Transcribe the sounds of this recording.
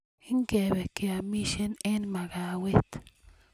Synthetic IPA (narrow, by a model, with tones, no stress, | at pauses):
i˦ŋke˨be˨ke˨a˨mi˦ʃe˦ne˦nma˨ɡa˨we˦t̪